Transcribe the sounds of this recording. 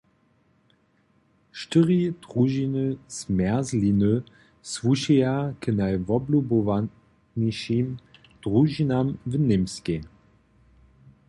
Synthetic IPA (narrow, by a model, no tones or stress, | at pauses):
ʃtəʁid̥ʁuʒinəsmɛɐzlinə | svuɕijakənajvɔblubɔva | neʃim | d̥ʁuʒinamvənɪmskʲe